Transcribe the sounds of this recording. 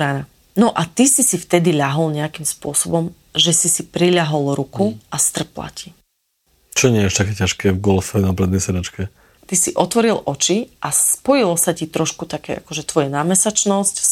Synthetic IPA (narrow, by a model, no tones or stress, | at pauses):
ɾana | nɔʔat̪isisift̪ɛd̪iʎaɦɔlɲɛakimspʊɔsɔbɔm | ʒɛsisipɾiʎaɦɔlɾukuʔast̪r̩pla̰ci | t͡ʃɔɲɪɛaʃt̪akɛːcaʃkɛːvɡɔlfɛnapɾɛd̪nɛjsɛɾat͡ʃkɛ | t̪isiʔɔt̪ʋɔɾilʔɔt͡ʃiʔaspɔjilɔsacit̪ɾɔʃkut̪akɛ̰ːʔa̰kɔʒɛt̪ʋɔjanaːmɛsat͡ʃnɔsc